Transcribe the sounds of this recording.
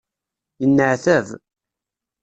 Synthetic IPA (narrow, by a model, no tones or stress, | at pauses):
jənːəʕθæv